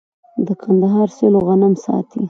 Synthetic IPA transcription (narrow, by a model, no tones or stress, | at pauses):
d̪əkʰand̪aɦɑɾseloɣanamsɑ̰t̪ʰḭ